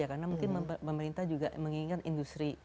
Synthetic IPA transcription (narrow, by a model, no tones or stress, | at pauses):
akarnamuŋkɪnəpəməɾint̪ahd͡ʒuɡaməŋiŋat̪indust̪ɾi